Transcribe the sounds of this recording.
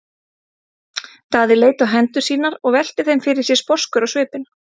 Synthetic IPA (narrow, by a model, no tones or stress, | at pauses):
t̪aːðɪleːjt̪awɦɛnt̪ʏɾ̥siːnaɾɔɣvɛl̥t̪ɪθejmfɪɾɪɾ̥sjɛspɔskʏɾɔɣsvʏːpɪn